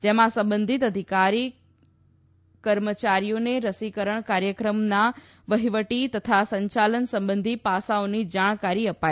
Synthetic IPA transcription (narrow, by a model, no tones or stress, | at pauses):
d͡ʑɐ̃ɦmãsɐ̃mbə̃nd̪ʱɪt̪ɐd̪ʱɪkaːɾi | kɐɾmət͡ɕaːɾijoneɾɐsikəɾəɽ̃kaːɾjəkɾəmnã | ʋɐɦiʋəʈit̪ɐt̪ʰasɐ̃ɲt͡ɕaːlənsɐ̃mbə̃nd̪ʱipaːsaʊnid͡ʑaːɽ̃kaːɾiɐpaːi